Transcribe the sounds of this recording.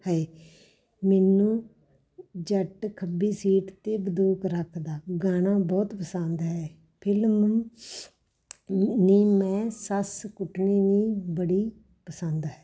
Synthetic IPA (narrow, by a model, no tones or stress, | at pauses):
hɛː | mɛːnũː | d͡ʒəʈkʰəbiːsiːʈt̪eːbəd̪oːkɾəkʰd̪aːɡaːnãːbɔːt̪pəsə̃nd̪ɦɛː | pʰɪlm | niːmɛ̃ːsəskʊʈʰneːniːbəɽiː | pəsənd̪ɦɛː